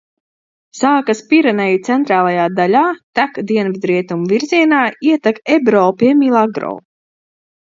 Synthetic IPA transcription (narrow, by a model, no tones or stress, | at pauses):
saːkaspiɾɛnɛjit̪sɛnt̪ɾaːlˠajaːd̪alʲaːt̪akd̪iɛnvid̪ɾiɛt̪umviɾziɛnaːiɛt̪akɛbɾɔːpiɛmilˠaɡɾɔ̰ː